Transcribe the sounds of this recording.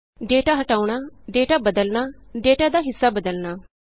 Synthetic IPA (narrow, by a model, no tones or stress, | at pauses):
ɖeːʈaːɦəʈaːuɳ̃aːɖeːʈaːbəd̪əlnaːɖeːʈaːd̪aːɦɪsːaːbəd̪əlnaː